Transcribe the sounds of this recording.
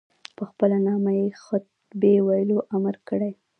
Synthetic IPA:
pəxpəlanɑmajexə | bewajəloʔamaɾkəɽaj

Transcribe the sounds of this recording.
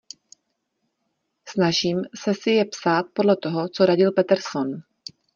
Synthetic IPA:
snaʒiːmsɛsɪjɛpsaːt̪̚po̞dlɛt̪o̞ɦo̞t͡so̞ɾaɟɪlpɛt̪ɛɾson

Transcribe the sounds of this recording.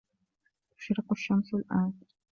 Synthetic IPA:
t̪ʊ̥ʃɾɪqʊʃːamsʊlʔaːn

